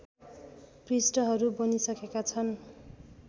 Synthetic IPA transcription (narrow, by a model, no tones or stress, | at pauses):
prisʈʌɦʌɾubʌnisʌkekat͡sʰʌn